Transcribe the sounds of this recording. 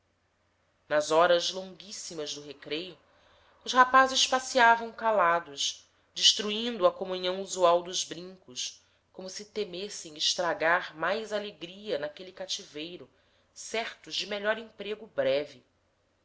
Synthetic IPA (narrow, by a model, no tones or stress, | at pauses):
nɐzɔɾɐzlõŋɡisimɐzd̪ʊɦekɾejʊ | ʊʃhapazɪʃpasiavɐ̃w̃kalad̪ʊʃ | d͡ʒɪʃt̪ɾuĩnd̪ʊɐkomũɲɐ̃w̃uzuawd̪ʊzbɾĩŋkʊs | kõmʊsɪt̪emesẽj̃ɪʃt̪ɾaɡaɾmajzaleɡɾiɐnakelikat͡ʃivejɾʊ | sɛɾt̪ʊʒd͡ʒɪmeʎɔɾĩpɾeɡʊbɾɛvi